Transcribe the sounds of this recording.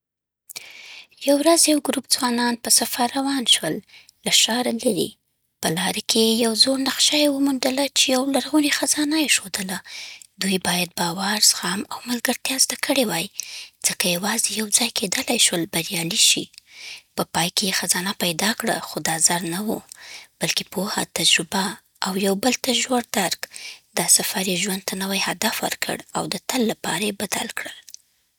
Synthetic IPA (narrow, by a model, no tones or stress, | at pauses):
jawɾazjawɡɾupd͡zwɑnɑnpəsafaɾawɑnʃwəlː | aʃɑɾalaɾḭ | pəlɑɾakʰejawzoɽnaqʃajewəmund̪əlat͡ʃejawlaɾɣunexazɑnajeʃod̪əlad̪ujbɑjad̪̚bɑwaɾz̥xɑmawmalɡəɾt̪jɑzd̪akʰəɽewajd͡z̥əkajawɑzejawd͡zɑjkʰed̪əlajʃwəlbaɾijɑliʃḭpəpɑjkejexazɑnapajd̪ɑkɽa̰xod̪ɑzaɾnawṵb̥alkepoha̰t̪ad͡ʒɾʊbaː | wjawbəlt̪ad͡ʒwoɽd̪aɾkd̪ɑsafaɾjeʒwand̪̚t̪anawajhad̪afwə̰ɾkʰə̰ɽa̰wd̪ət̪əlːapɑɾajebad̪a̰lkɽəl